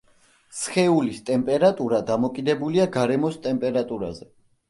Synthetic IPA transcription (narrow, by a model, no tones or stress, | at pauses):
sχɛulist̪ʼɛmpʼɛɾat̪ʼuɾad̪amɔkʼid̪ɛbuliaɡaɾɛmɔst̪ʼɛmpʼɛɾat̪ʼuɾa̰zɛ